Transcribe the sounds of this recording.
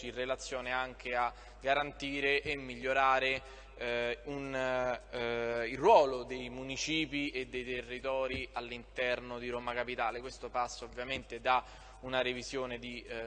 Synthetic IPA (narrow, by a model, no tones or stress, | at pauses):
irːelat̪sːjoːneaŋk̟ea | ɡaɾant̪iːɾeʔemːiʎːoɾaːɾe | un | ilrːwɔːlod̪ejmunit͡ʃiːpied̪ːejt̪erːit̪ɔːɾialːint̪ɛrnod̪iɾomakapit̪aːlekwest̪opasːaovːjament̪ed̪a | unaɾevizjoːned̪i